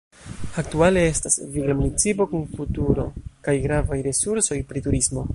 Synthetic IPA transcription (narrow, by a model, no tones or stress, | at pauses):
ak̚tuale̞e̞stasviɡlamunit͡sipo̞kunfutuɾo̞kajɡɾavajɾe̞suɾso̞jpɾituɾismo̞